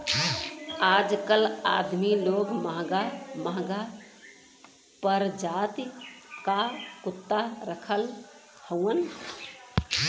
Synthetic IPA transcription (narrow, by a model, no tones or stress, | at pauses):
ad͡ʒkəla̰d̪miloɡməɦɡaməɦɡa | pəɾd͡ʒat̪kakut̪ːaɾəkʰəl | həwən